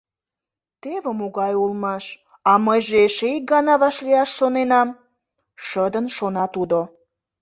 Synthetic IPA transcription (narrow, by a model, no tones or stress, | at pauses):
t̪eβəmuɣɑjulmɑʃ | ɑməjʒeʃeik̚ɡɑnɑβɑʃliɑʃːonenɑm | ʃəd̪ənʃonɑt̪ud̪o